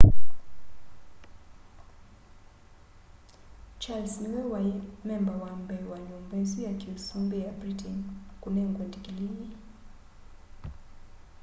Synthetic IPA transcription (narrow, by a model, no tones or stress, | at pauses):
t͡ʃalsniwɛwaɛmɛmbawambɛwaɲumbɛzijakilsumbɛjabɾitʰɛnkunɛŋɡwɛndikilini